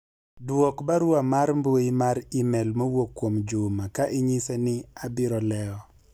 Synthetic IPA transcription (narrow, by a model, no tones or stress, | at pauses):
dwɔkbaɾwamaɾmboimaɾimɛlmowokːwomd͡ʒʊmakaʔɪɲisenɪabɪɾɔlɛɔ